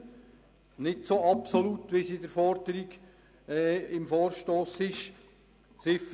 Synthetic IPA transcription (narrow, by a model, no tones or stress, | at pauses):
nɪdsoɑpsolut̪ːʋisidəɾfɔɾd̥əɾiɡ | ɛːɪmfoːɾʃtoːsɪʃ | sɪf